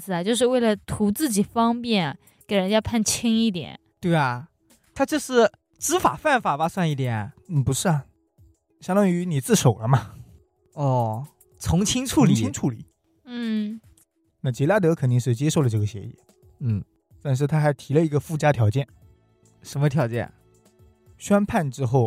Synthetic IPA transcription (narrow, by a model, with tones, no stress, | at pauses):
t͡sɹ̩˧˩ɐ˨˩t͡ɕjo˥˧ʊʂɻ̩˧we˥˩ɪlə˩t̪ʰu˧˥t͡sɹ̩˥˩t͡ɕi˨˩fɑ˥ŋpjɛ˥˩n | ke˨˩ɪɻə˧˥nt͡ɕja˥pʰa˥˩nt͡ɕʰi˥ŋi˥˩t̪jɛ̰˨˩˦n | t̪we˥˩ɪɐ˩ | t̪ʰa˥t͡ɕjo˥˧ʂɻ̩˥˩ | ʈ͡ʂɻ̩˧˥fa˨˩fa˥˩nfa˨˩pa˥swa˥˧ni˥˩t̪jɛ˨˩˦nn̩˥˩pu˧˥ʂɻ̩˥˩ɐ˨˩ | ɕjɑ˥ŋt̪ɑ˥ŋy˧˥ni˨˩t͡sɹ̩˥˩ʂo˨˩ʊlə˦mɐ˧ | ɔ˥˩ | t͡sʰʊ˧˥ŋt͡ɕʰi˥ŋʈ͡ʂʰu˥˧li˧˨t͡ɕʰi˥ŋʈ͡ʂʰu˥˩lḭ˨˩˦ | n̩˥˩ | na˥˩t͡ɕi˧˥la˥˩t̪ɤ˧˥kʰə˨˩nt̪̬i˥˧ŋʂɻ̩˥˩t͡ɕjɛ˥ʂo˥˩ʊlə˩ʈ͡ʂɤ˥˩ɡə˩ɕɛ̰˧˥ḭ˨˩˦ | n̩˥˩ | t̪a˥˧nʂ̬ɻ̩˥˩t̪ʰa˥xa˧˥ɪt̪ʰi˧˥lə˧i˧˥ɡə˧fu˥˩t͡ɕja˥t̪ʰjɑ˧˥ʊt͡ɕjɛ˥˩n | ʂə˧˥mə˧t̪ʰjɑ˧˥t͡ɕjɛ̰˥˩n | ɕɥɛ˥npʰa˥˩nʈ͡ʂɻ̩˥xo˥˩ʊ